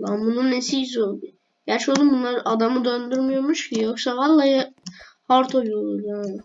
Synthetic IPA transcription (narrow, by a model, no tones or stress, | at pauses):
lˠambununːesiizolˠd̪u | ɟ̥æɾt͡ʃʰɛolˠd̪umbunlˠaɾʔad̪amɯd̪ø̞nd̪yɾmijoɾmuʃcʰijo̞ksavalˠːaːja | haɾt̪ʰojˠolˠuɾjaːnɪ